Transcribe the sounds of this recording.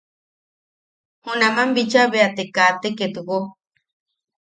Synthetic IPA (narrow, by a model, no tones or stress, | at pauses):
hunamambit͡ʃaβeat̪ekat̪eket̪uko